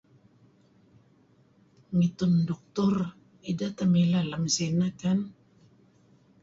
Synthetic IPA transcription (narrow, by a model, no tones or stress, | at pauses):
ŋit̪ʊndɔk̚t̪ʊr | idat̪amilalamsinakan